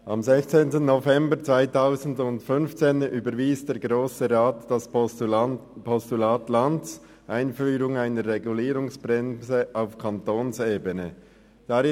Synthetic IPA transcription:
ʔɑmzɛçt͡seːntən̩ːovɛmbəɾt͡sv̥aɪtʰaʊzn̩dʊntfʏnft͡seːnyːbəɾviːsd̥eːɾɡʁoːsəʁaːtd̥ɑs | pʰɔstulaːtlantt͡s | ʔaɪnfyːɾʊŋaɪnəɾːeɡuliːɾʊŋsb̥ʁɛmsəʔaʊfkʰɑntoːnseːbənə | d̥ɑɾɪ

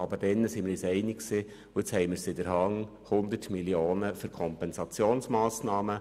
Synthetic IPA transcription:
ɑbəd̥ɛnːəsimɪɾisɛɪnɪksiː | ʊɪt͡shɛɪmɪɾsɪdəɾhɑŋ | hʊnd̪ətmiljoːnəfyɾkʰɔmpɛnsɑt͡sjoːnsmɑːsnɑːmə

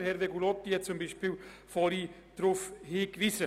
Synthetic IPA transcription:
ɾhɛɾʋeɡulɔt̪ːiɛt͡sʊmbiʃpiːlfɔɾi | d̥ɾʊfhiːkʋisə

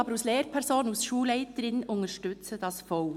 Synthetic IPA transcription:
ɑbəɾusleːɾpʰɛɾsoːnəusʃuːlɛɪt̪əɾɪnʔʊŋəʃtʏt͡sədɑsfɔʊ

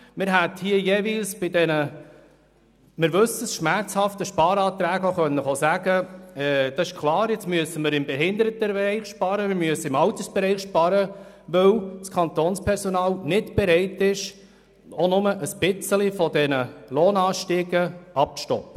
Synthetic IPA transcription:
mɪɾɦæthiːəjeːvilsb̥ɪdɛnə | mɪɾʋɵsəsʃmæɾt͡shɑftəʃpɑːɾɑːt̪ɾæːɡoχœnːəχosæɡəɛd̥̪ɑsɪʃkʰlɑːɾjɛt͡smyəsəməɾɪmbɛɦɪnd̪əɾət̪əɛɾɛɪχʃpɑɾəmɪɾmyəsəɪmɑwt̪əsb̥ɛɾɛɪχʃpɑɾə | ʋœwskʰχɑnt̪oːnspʰɛɾsɔnɑːlnɪdb̥ɛɾɛɪtɪʃ | onʊməʔəsb̥ɪt͡səlifɔdɛnəloːnɑːʃtiːɡəʔɑp̚t͡stɔ̰pːə

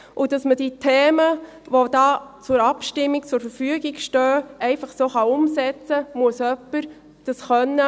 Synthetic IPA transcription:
ʔʊd̥ɑsməd̥itʰeːmə | ʋod̥ɑːt͡sʊɾɑpʃtɪmːik̚t͡sʊɾfəɾfyəɡiɡʃtœːʔɛɪfɑχsoːχɑʊmsɛt͡səmuəsœpːəɾ | d̥ɑsχœnːə

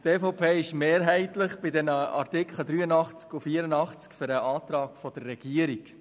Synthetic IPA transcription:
teːfɔpʰeːɪʃmeːɾɦɛɪtləχb̥ɪdɛnəɑ̰rtɪkʰχlədɾyːənɑχt͡skufiːəɾənɑχt͡skføɾəʔɑːt̪ɾɑːkfɔd̥ərːɛɡ̥iəɾik

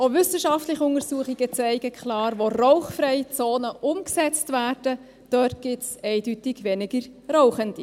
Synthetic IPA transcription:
oʋʏsəʃɑftlɪχʊŋəɾsuəχiɡ̥ət͡sɛɪɡəkχlɑːɾʋoroʊχfɾɛɪt͡soːnəʔʊmksɛt͡stvæːrd̥ə | d̥œːtɡ̥ɪtsɛɪdytɪɡʋɛnɪɡ̥əɾrɔʊχənd̥i

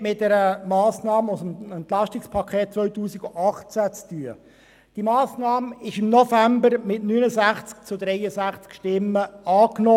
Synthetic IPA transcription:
mɪt̚dɛɾəmɑːsnɑːməʊsəmɛnt̪lɑʃtɪkspʰɑkʰeːt̚t͡sʋœɥtuːsiɡoʔɑχt͡sæt͡styːə | d̥imɑːsnɑːmɪʃɪmnɔfæmbəɾmɪtnyːnəzæχt͡sk̚t͡sʊdɾɛjəsæχt͡skʃtɪmːəɑːknɔ

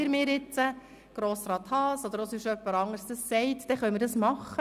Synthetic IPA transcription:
ɪɾmɪːɾjɪt͡sə | ɡ̥ɾoːsɾɑːt̪hɑːsɔd̪əɾosyʃœpːəɾɑŋəsd̥əsːɛɪtd̥ɛχœʏmɪdɑsmɑχːə

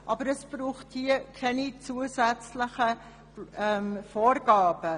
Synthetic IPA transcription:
ʔɑbəɾəsb̥ruːχthiəkʰɛnit͡suəzæt͡sləχə | mfoːɾɡɑːb̥ə

